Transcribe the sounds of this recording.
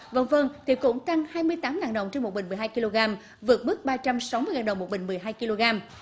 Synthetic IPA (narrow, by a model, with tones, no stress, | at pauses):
və̰˧˩nvə˧nt̪ʰi˨˩kʊ̰˧˥ŋ͡mt̪a˧ŋhaː˧jmɨ˧əjt̪aː˨˦mlaː˨˩ɗə̰˧˨wŋ͡mt͡ɕe˧nmo˨˩t̚ɓï˨ŋ̟m˨˩jɦaː˧jki˧lo˧ɣaː˧m | vɨ˨˩ət̚ɓɨ˦˥k̚ɓaː˧t͡ɕa˧msa˨˦wmɨ˧əjhaː˨˩ɗə̰˨˧˨wŋ͡mo˨˩ɓï˧˨ŋ̟m˨˩əjɦaː˧jki˧lo˧ɣaː˧m